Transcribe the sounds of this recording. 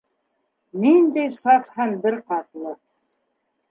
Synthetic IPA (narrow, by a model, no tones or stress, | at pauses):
nind̪æjsɑqhænbɘɾqɑt̪lˠɤ